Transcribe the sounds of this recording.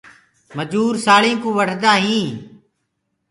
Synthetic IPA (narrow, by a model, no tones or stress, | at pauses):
məd͡ʒuːɾsaːɭĩːkũːʋəɽd̪aːɦĩː